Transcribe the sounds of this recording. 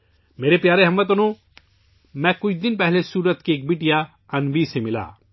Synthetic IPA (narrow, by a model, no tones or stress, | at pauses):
meːɾepjaːɾeɦɐmːət̪̬ənõ | mɛ̃ːkʊt͡ʃʰd̪ɪnpɛɦlesuːɾət̪keeːk̚biːʈija | ɐnbisemɪla̰ː